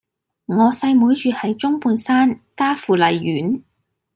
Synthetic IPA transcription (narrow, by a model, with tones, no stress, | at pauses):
ŋɔː˨˧sɐ˧jmuː˨˥jt͡ʃyː˨˧hɐ˨jt͡ʃʊ˥ŋpuː˧nsaː˥nkaː˥fuː˨lɐ˨jɥyː˨˥n